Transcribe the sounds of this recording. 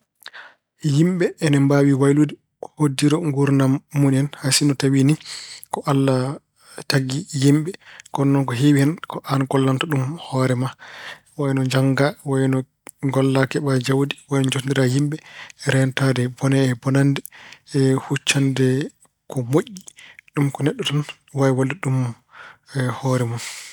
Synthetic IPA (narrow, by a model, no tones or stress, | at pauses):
jimɓɛːnɛmbawiwajludi | kɔ̥hodːiɾɔŋɡuɾnamːunɛnhasinɔtawinikɔʔalːa | taɡijimɓɛkɔnːɔnkɔɦiwiɛnkɔʔanɡɔlːantɔɗumhɔɾɛma | wajnɔd͡ʒaŋɡawajnɔ | ɡɔlːakɛɓad͡ʒawdiwajnɔd͡ʒotndiɾajimɓɛɾɛntadɛbɔnɛːbɔnandɛ | hut͡ʃːandɛ | kɔmoʔːiɗumkɔnɛɗːɔtɔn | wajwaldɛɗum | hɔɾɛmun